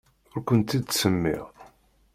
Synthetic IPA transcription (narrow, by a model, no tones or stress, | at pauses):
ʊɾkʷənt̪id̪səmːḭʁ